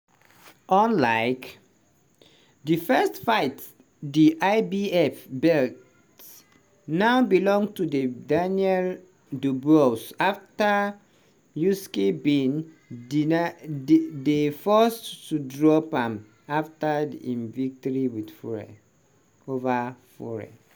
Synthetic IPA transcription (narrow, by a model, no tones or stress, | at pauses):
ɔ̃nlaɪk | difɛstfaɪt | diʔaɪbiɛfbɛlt | naʊbilɔ̃ŋtudedanjɛl | dubuosafta | juskebĩn | defɔstudɹɔpãm | aftadḭĩnvik̚tɔɹiwidfuɹɛ̰ | ovafɔ̰ɹɛ̰